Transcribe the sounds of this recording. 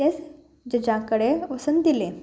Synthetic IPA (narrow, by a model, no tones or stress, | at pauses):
es | d͡ʑəd͡ʑãkəɽeʋəsənd̪ile